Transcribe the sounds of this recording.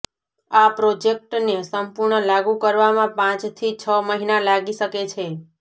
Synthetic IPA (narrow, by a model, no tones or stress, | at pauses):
apɾod͡ʒek̚ʈnesəmpuɾɳəlaɡũkəɾʋamãpãt͡ʃt̪ʰit͡ʃʰəməɦinalaɡiʃəket͡ʃʰe